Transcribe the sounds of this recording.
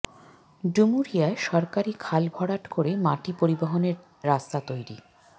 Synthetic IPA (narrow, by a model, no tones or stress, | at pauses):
ɖumuɾijaeʃɔɾkaɾikʰalbʱɔɽaʈkoɾemaʈipoɾiboɦoneɾː | ast̪at̪ojɾḭ